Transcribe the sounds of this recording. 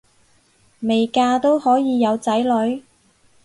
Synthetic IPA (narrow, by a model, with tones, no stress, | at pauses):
me˨jkaː˧t̪o˥whɔː˨˥jiː˨˧jɐ˨˧wt͡sɐ˨˥jlɵ˨˧˥ɥ